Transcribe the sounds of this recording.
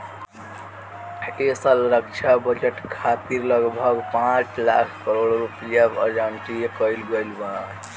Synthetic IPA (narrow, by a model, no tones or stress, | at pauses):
esəlɾək̚t͡ʃʰabəd͡ʒeʈkʰat̪iɾlʌɡbʱəɡpãt͡ʃla̰kʰkəɾoɽɾupijabə̰d͡ʒaɳʈikəɪlɡəjlbəna